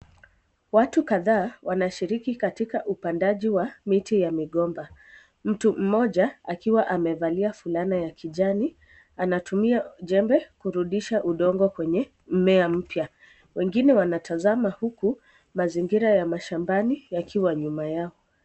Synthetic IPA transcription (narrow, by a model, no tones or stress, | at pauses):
watukaðaːwanaʃiɾikikatikaʔupandaʄiwamitijamiɠɔmba | m̩tum̩mɔʄaakiwaʔamɛvaliafulanajakʰiʄani | anatumiaʄɛmbɛkuɾuɗiʃaʔuɗɔŋɡɔkwɛɲɛ | mɛam̩pja | wɛŋɡinɛwanatʰazamahuku | maziŋɡiɾajamaʃambanijakʰiwaɲumajaɔ